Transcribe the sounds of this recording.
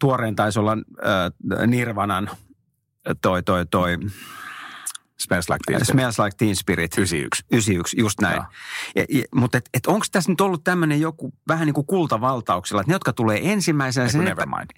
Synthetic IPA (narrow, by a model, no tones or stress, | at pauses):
t̪uoreːnt̪ɑisolːɑː | nirʋɑnɑn | t̪oit̪oit̪oi | smelslɑ̰smelslɑik̚t̪inspirit̪siy̰ksysiyksjust̪næḭɑ̰mut̪et̪et̪oŋkst̪æsnyt̪olːut̪t̪æmːønejjokuʋæhæniːŋkukult̪ɑʋɑlt̪ɑuksilːɑet̪nejot̪kɑt̪uleːʔensimːæisenæseneeʋmɑ̰ini